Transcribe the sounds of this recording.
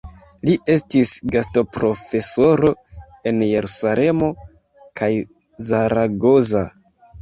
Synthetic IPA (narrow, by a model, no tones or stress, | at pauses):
liʔe̞stisɡasto̞pɾo̞fe̞so̞ɾo̞ | e̞nje̞ɾusale̞mo̞ | kʰaj | zaɾaɡo̞za